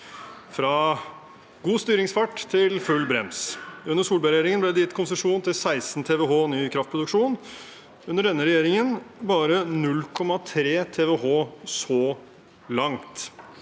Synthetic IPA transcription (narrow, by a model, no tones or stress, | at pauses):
fɾɑ | ɡuːst̪yːɾɪŋsfɑʈːt̪ʰɪlfʉlːbɾɛ̰msʉnːəʂsuːlbæɾeːɾɪŋənblɛd̪ɛjɪt̪ːkʰʊnsəʂuːnt̪ɪlsæɪsn̩t̪ʰɛːʋɛɦoːnyːkʰɾɑft̪̚pɾʊd̪ʉkʂuːn | ʉnːəɖɛnːəɾɛjeːɾɪŋənbɑːɾənʉlːkʰɔmɑt̪ʰɾeːt̪ʰeːʋɛɦoːsɔ | lɑŋt̪